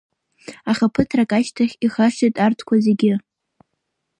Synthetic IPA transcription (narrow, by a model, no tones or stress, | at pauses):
aχʲapʰɨtʰrakʼaʃtʰaχʲiχaʂejtʼartʰkʷʰazeɡʲɪ